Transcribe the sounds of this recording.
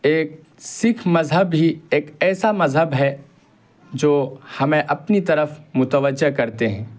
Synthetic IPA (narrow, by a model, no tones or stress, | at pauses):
eːk̚ | sɪkʰmɐzɦəbːʱieːkɛːsamɐzɦəbɦɛ | d͡ʒoːhɐmẽʔɐpnit̪ɐɾəfmʊt̪əʋəd͡ʒːəkɐɾt̪eɦɛ̃ː